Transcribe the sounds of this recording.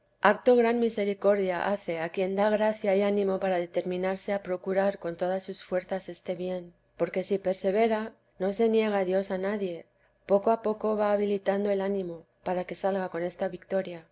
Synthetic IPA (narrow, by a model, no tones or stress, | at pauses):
akt̪o̞ɣɾanmise̞ɾiko̞ɾðjaʔaθe̞akje̞nd̪aɣɾaθjaianĩmo̞paɾað̞e̞t̪e̞ɾmĩnaɾse̞apɾo̞kuɾaɾko̞nt̪o̞ðasːusfwe̞ɾθase̞st̪e̞βje̞n | po̞ɾke̞sipe̞ɾse̞β̞e̞ɾa | no̞se̞nje̞ɣ̞aðjo̞sanaðje̞ | po̞koapo̞ko̞βaːβilit̪and̪o̞e̞lanĩmo̞ | paɾake̞salɣako̞ne̞st̪aβikt̪o̞ɾja